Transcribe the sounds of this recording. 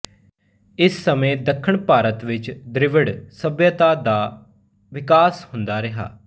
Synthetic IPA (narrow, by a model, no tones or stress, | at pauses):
ɪsːəmẽːd̪əkʰːəɳpaːɾət̪ʋɪt͡ʃd̪ɾɪʋəɽsəbjət̪aːd̪aː | ʋɪkaːshʊnd̪aːɾɪɦa̰ː